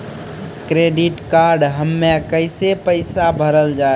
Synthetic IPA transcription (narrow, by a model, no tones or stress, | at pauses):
kɾeɖiʈkaɾɖɦəmːekəɪsepəɪsabʱəɾəld͡ʒa